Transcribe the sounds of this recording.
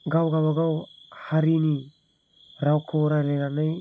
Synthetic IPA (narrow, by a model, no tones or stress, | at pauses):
ɡawɡawaɡawhaɾini | ɾawkʰoɾaleɾanaj